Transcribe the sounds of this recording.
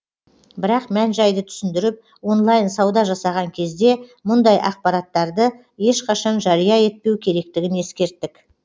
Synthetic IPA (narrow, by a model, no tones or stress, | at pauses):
bɪɾɑqmænʒɑjd̪ət̪ʰʏ̥sɪnd̪ɪɾɪp̚ | wo̞nlˠɑjnsɑwd̪ɑʒɑsɑʁɑŋkʲʰe̞zd̪e̞mʊnd̪ɑjʔɑ̰q̚pɑɾɑt̪ːɑɾd̪ə | je̞ʃqʰɑʃɑnʒɑɾijɑe̞t̪̚pe̞wkʲʰe̞ɾe̞k̚t̪ɪɡʲɪne̞skʲe̞ɾt̪ːɪk